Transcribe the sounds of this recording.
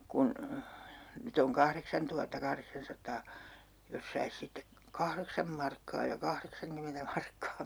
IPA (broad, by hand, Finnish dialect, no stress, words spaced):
kun nyt oŋ kɑhreksɑntuhɑtːɑkɑhreksɑnsɑtˑɑː jos sɑis sitːek kɑhreksɑm mɑrkːɑː jɑ kɑhreksɑŋkymentæ mɑrkːɑː